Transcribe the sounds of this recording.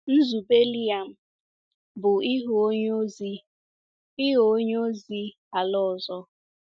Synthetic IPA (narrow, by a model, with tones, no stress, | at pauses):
n̩˦zu˨be˦li˦a˨m̩˨ | bʊ˨i˦ɦo˦o˦ɲo˦zi˦ | i˦ɦo˨o˦ɲo˦zi˦ | a˨lɔ˦ɔ˨zɔ˦